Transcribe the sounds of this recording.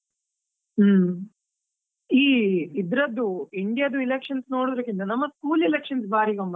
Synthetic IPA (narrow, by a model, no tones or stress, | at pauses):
iːid̪ɾɐd̪ːuiɳɖijɐd̪uilekʂɐnsnoːɽud̪ɾɐkːint̪ɐnɐmːɐskuːlilekʂɐnsbʱaːɾiɡɐmɡɐ